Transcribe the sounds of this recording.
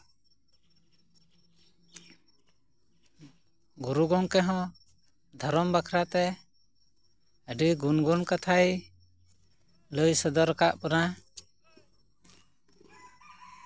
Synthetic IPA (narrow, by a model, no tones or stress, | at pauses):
ɡuɾuɡɔŋkɛɦɔ̃ | d̪ʱɔɾɔmbakʰɾat̪ɛ | əɖiɡunɡunkat̪ʰaj | ləjsəd̪ɔɾəkaʔpɔna